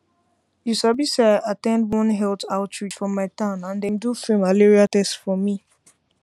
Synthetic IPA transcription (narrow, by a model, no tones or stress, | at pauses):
juʃabisaɪʔatɛ̃ndwɔ̃nɦɛltaʊtɹit͡ʃfɹɔ̃mːaɪtãʊ̃nãndɛ̃ndufĩmaleɹiatɛstfɔmi